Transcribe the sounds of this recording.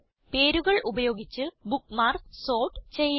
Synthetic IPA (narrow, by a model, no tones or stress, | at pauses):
pe̞ːɾuɣɐɭʔubɐjo̞ːɡit͡ɕːɨbukːmaːrso̞ːʈt͡ɕe̞j